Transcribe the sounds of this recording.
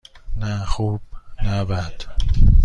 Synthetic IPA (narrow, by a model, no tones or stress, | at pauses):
næxuːb̥næbæd̪̥